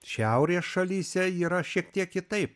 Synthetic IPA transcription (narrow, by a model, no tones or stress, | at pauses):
ʃʲɛʊɾʲeːsʃɐlʲiːsʲɛiːɾɐʃʲiɛk̚t̪ʲiɛkjʲɪt̪ɐɪp̚